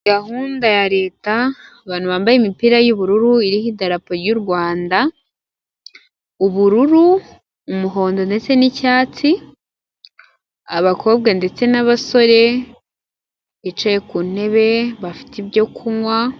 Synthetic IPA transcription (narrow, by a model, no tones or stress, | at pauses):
ɡahuːndajaɾe̞ːta | βaːn̥uβaːmbajemipiɾajuβuɾuɾuiɾihidaɾapoɾɟuɾɡwaːnda | uβuɾuɾuː | muɦo̞ːndo̞nde̞t͡se̞nicaːt͡si | a̰βakʰo̞ːb̚ɡande̞t͡se̞naβaso̞ɾe̞ | et͡ʃejekun̥e̞βe̞βafi̥tiβjo̞kʰumwa